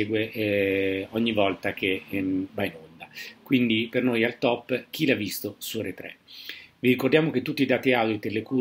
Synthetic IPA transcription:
eːɡwe | ɔɲːivɔlt̪ak̟ʰevainond̪akwind̪ipernoːjalt̪ɔpːk̟ilavːist̪osuoɾet̪ːɾɛ̰viɾikord̪jaːmok̟et̪ːut̪ːid̪aːt̪iaw̪it̪elːeku

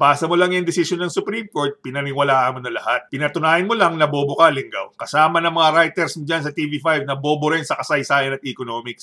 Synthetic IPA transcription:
paːsɐmolɐŋjɐŋd̪ɛsisjonːɐŋsʊpɾimko̞ɹt̪̚pɪnɐnɪwɐlaːʔɐmonɐlɐhat̪̚pɪnɐt̪ʊnaːjɐnmolɐŋnɐboːbokɐlɪŋɡa̰wkɐsaːmɐnɐŋmɐŋaɾajt̪ɛɾsnd͡ʒansɐt̪iːvifajvnɐbo̞ːboɾɪnsɐkɐsɐjsaːjɐnɐt̪̚ʔɛkono̞ːmɪks

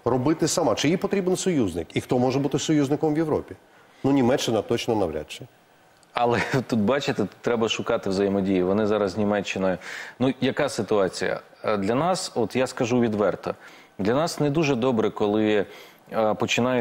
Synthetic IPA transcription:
rɔbɪt̪ɪsɐmɑt͡ʃɪjipɔt̪ɾʲibnsɔjuznɪkixt̪ɔmɔʒɛbut̪ɪsɔjuzʲnɪkɔmʋʲjeʋɾɔpʲi | nunʲimɛt͡ʃːɪnɐt̪ɔt͡ʃnɔnɐʋɾʲa̰t͡ʃɛ | ɐlˠɛt̪ut̪bɑt͡ʃɪt̪ɪt̪ɾɛbɐʃʊkɑt̪ɪwzɐjimɔdʲijiʋɔnɪzɑɾɐznʲimɛt͡ʃːɪnɐnujɐkɑsɪt̪ʊɑt͡sʲḭjɐ̰ | d̪lʲɐnɑsɔt̪jaskɐʒuʋʲid̪ʋɛrt̪ɐ | d̪lʲɐnɑsnɛd̪uʒɛd̪ɔbɾɛkɔlˠɪ | pɔt͡ʃɪnɑjɛ

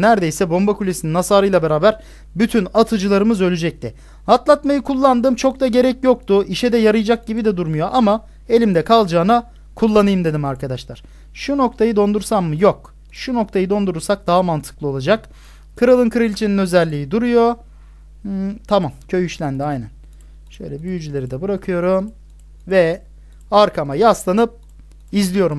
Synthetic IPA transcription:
næɾd̪e̞jsɛbo̞mbakʰulʲesininasaːɾɯjlˠabeɾaːbæɾ | byt̪ʰynat̪ʰɯd͡ʒɯlˠaɾɯmɯzø̞lʲyd͡ʒɛc̚t̪ʰɪ | hat̪lˠat̪majɯkʰulˠːand̪ɯmt͡ʃʰo̞kt̪aɟe̞ɾɛcjo̞k̚t̪ʰʊʔiʃɛd̪ɛjaɾɯjd͡ʒak̚ɟibid̪ɛd̪uɾmujo̞ʔama | e̞lʲimd̪ɛkʰalˠd͡ʒaːna | kʰulˠːanɯjɯmd̪e̞d̪imaɾkʰad̪aʃlˠaɾ̥ | ʃuno̞k̚t̪ʰajɯd̪o̞nd̪uɾsamːɯjo̞k | ʃuno̞k̚t̪ʰajɯd̪o̞nd̪uɾuɾsak̚d̪aɦamant̪ʰɯ̥klˠɯo̞lˠad͡ʒak | kʰɯɾalˠɯnkʰɯɾɯlʲt͡ʃʰininø̞zɛlʲːiːid̪uɾujo̞ | t̪ʰamamcʰø̞jyʃlʲænd̪iajnæn | ʃø̞̰jlʲɛbyjyd͡ʒylʲe̞ɾid̪ɛbɯɾakʰɯjo̞ɾum | vɛ | aɾkʰamajaslˠanɯp̚ | izlʲijo̞ɾum

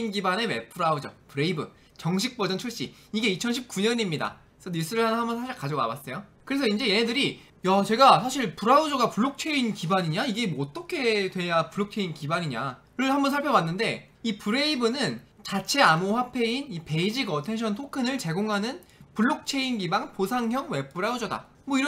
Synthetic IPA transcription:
inɡibane̞me̞pʰuɾaud͡ʑʌpɯɾe̞ibɯ | t͡ɕʌŋɕʰik̚p͈ʌdʌnt͡ɕʰuɭɕ͈i | iɡe̞it͡ɕʰʌnɕʰip̚k͈uɲʌɲimɲida̰ | sʰʌniɭs͈ɯɾɯɭɦanɯnɦambʌnsʰaɕʰiɭkad͡ʑoma̰bas͈ʌjokɯɾe̞s̬ʰʌind͡ʑe̞je̞ɦedɯɾi | jat͡ɕe̞ɡasʰaɕʰiɭpuɾaud͡ʑʌɡapuɭːok̚t͡ɕʰe̞inkibaɲiɲaiɡe̞mʌt͈ʌkʰe̞dwe̞japuɭːok̚t͡ɕʰe̞inkibaɲiɲa̰ | ɾɯɭhambʌnsʰaɭpʰjʌwanːɯnde̞ | ipɯɾe̞ibɯnɯnt͡ɕat͡ɕʰe̞amoɸwapʰe̞inipe̞id͡ʑiɡʌtʰe̞nɕʰʌntʰokʰɯnɯɭt͡ɕe̞ɡoŋɦanɯnpuɭːok̚t͡ɕʰe̞inɡibaŋposʰaŋɦjʌŋwe̞p͈uɾaud͡ʑʌda̰ | mwʌiɾʌ

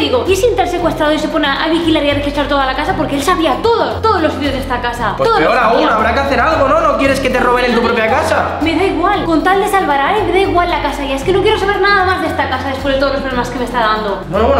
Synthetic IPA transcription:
ðiɣo̞esent̪aɾsekwest̪ɾaðoisepo̞neʔajβixilaɾiarexist̪ɾaɾt̪o̞ðalakasapo̞ɾkelsaβiat̪o̞ðot̪oðozlo̞sit̪joðest̪akasat̪ooɾaunaβɾakeaθeɾalɣono̞no̞kjeɾe̞sket̪ero̞βenent̪upɾo̞pjakasa | me̞ðaiɣwalko̞nt̪ald̪esalβaɾaɾemeðaiɣwalːakasaiasikenokjeɾosaβe̞ɾnaðamazðest̪akasaðespwzðt̪olopɾolemaskemest̪aðand̪o | enoβwen

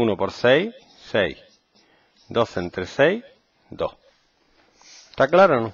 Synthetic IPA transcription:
unopoɾsej | sej | d̪o̞θent̪ɾesej | d̪o̰h | t̪aklaɾonõ

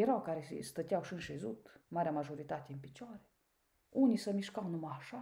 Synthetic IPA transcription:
eɾawkaɾeḭst̪ət̪ʲjawʃɨnʃezut̪maɾʲamaʒoɾit̪at̪ʲeinpit͡ʃoaɾe | unʲisəmiʃkawnumaʃa

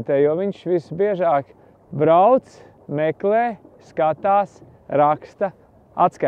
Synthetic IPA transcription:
t̪ɛːjuɔʋiɲʃʋisbiɛʒaːk | bɾawt̪s | mɛkleːskat̪aːs | ɾakst̪ɐ | a̰t̪ska

